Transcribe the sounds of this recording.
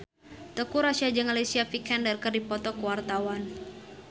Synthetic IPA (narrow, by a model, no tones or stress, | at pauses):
t̪əkuɾasiad͡ʒəŋalesiafikɛndərkɨrdipɔt̪ɔkuwart̪awan